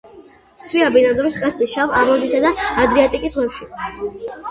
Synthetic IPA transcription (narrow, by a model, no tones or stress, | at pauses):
swiabinanzɾist̪ʼkʼasʰbisʃavaʁlˠɔzisad̪aːd̪ɾiat̪ʼikʼisʁwɛpʃi